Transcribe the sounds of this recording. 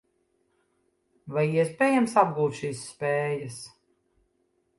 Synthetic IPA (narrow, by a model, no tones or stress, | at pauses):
vajiɛspʲɛːjamsab̚ɡuːt̪ʃiːsːpɛːjas